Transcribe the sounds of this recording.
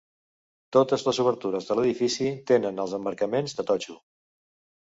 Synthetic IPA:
t̪ot̪əzləzuβ̞əɾt̪uɾəzðələðifisit̪enənəlˠzəmbəɾkəmenzðət̪ɔt͡ʃu

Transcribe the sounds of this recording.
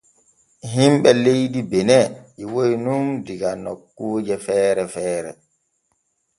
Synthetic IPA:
ɦimɓɛlejdibɛnɛʔiwojnundiɡanɔkːuːd͡ʒɛfɛːɾɛfɛːɾɛ̰

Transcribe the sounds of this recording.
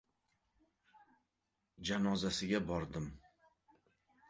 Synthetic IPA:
d͡ʒanɒzasɪɡʲabɒɾd̪ɪm

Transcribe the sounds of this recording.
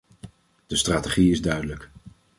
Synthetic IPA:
d̥əstraːteχiɪzdœɥdələk

